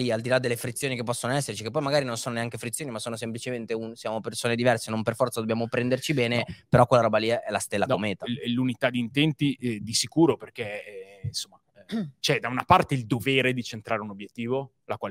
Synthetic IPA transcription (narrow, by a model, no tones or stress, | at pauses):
liald̪ilad̪ːelːefɾit̪sːjoːnikepːɔsːonoɛsːert͡ʃikepːɔjmaɡaːɾinonsoːnoneaŋkefɾit̪sjoːnimasːoːnos̬emplit͡ʃement̪eunsjaːmopersoːned̪ivɛrsenomperfɔrt̪sad̪objaːmopɾɛnd̪ert͡ʃibɛːnepeɾɔkwelːaɾɔːbaliɛlːast̪elːad̪aomeːt̪aɛlunit̪ad̪iːnt̪ɛnt̪id̪isikuːɾoperk̟ensomːa | t͡ʃɛd̪aunapart̪eild̪oveːɾed̪it͡ʃent̪ɾaːɾeunobjet̪ːiːvo | lakwaːl